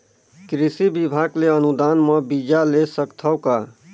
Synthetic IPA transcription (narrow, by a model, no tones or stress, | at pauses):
kɾisibibʱaɡleənud̪anməbid͡ʒalesəkt̪ʰəʊka